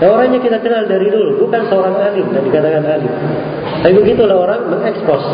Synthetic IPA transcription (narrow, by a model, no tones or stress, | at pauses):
daoɾaŋɲakit̪akənaldaɾidulubukansəoɾaŋalidandikat̪akanali | t̪apibəɡit̪ulahoɾaŋməŋɛkspɔs